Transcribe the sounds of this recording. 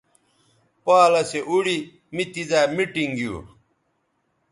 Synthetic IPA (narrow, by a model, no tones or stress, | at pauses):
paːlɐseʔuɽi | mit̪izaːmiʈiŋɡjṵː